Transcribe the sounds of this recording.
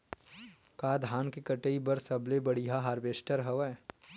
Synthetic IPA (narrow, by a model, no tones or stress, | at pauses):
kaːd̪ʱaːnkekɐʈəibɐɾsɐblebɐɽiɦaɦaːɾbeːsʈəɾɦɐʋɛː